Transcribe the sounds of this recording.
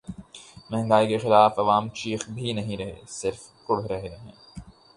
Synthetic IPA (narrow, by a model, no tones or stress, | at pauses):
mɛ̃ɦŋ̆ɡaːikexɪlaːfɐʋaːmt͡ʃiːxbʱinɐɦĩɾɐɦḛsɪɾf | kʊɽɾɐɦenɐɦḛ̃ː